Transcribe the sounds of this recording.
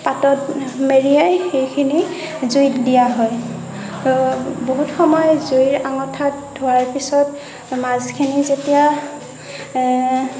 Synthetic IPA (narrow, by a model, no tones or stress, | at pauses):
patɔtmeɹijajxejkʰini | zujtdijaɦɔj | boɦutxɔmɔjzoiɹaŋɔtʰːatdʱoɹaɹpisɔt | mazkʰinizetija